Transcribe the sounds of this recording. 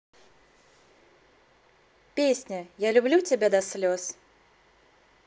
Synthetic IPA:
pʲeːsʲnʲɛjæːlʲʊbʲlʲut̪ʲɛbʲɛd̪ɐsʲlʲoːs

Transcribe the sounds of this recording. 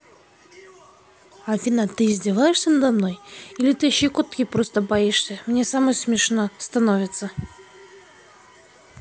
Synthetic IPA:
afʲinat̪ɨːzʲdʲɪvajɪʂsʲənəd̪amno̞jilʲɪt̪ɨɕikot̪kʲipɾost̪əbaiʂsʲəmnʲesaməjsmʲɪʂnost̪anovʲɪt̪sə

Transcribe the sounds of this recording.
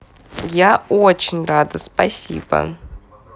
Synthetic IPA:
jaot͡ʃɪnʲrad̪ɨspɐsʲḭbɐ̰

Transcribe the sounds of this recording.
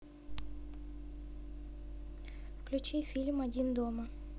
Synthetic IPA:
fklʲʊt͡ʃifʲilʲmɐdʲind̪ɔmɐ

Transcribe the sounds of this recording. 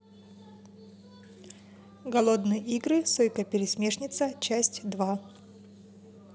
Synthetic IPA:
ɡɐlˠo̞d̪nɨjəʔiɡɾɨsojkəpʲɪɾʲɪsʲmʲe̞ʂnʲɪt̪sət͡ɕæsʲtʲd̪va

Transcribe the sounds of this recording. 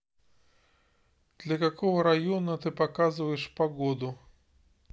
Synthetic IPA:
d̪̥lʲɐkakɔɣɐɾajɔnɐt̪ɨpakazvɐjɛʂpaɣɔd̪u

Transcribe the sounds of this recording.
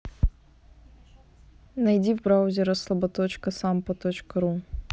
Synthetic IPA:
nɐjdʲivbɾawʊzʲɪɾəslˠɐbɐt̪ot͡ɕkəsampət̪ot͡ɕkəɾu

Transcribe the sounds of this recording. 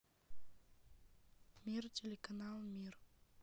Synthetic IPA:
mirtʰelʲekanalˠmir

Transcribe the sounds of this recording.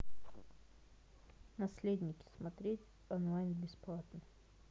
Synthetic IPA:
nɐsʲlʲed̪ʲnʲɪkʲɪ̥smɐt̪ɾʲetʲ | ɔnlˠajnbʲɪsplˠat̪nə

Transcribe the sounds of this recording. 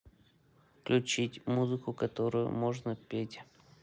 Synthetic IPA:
fklʲʉt͡ɕitʲmuzɨkʊkɐt̪oɾʊjʊ̰moʐnəpʲetʲ

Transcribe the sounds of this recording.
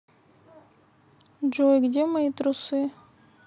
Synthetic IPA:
d͡ʒojɡdʲemɐit̪ɾʊsɨ

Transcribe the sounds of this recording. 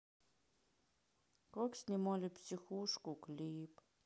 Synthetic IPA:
kɔksnʲimolʲipsʲixuʂkuklʲip

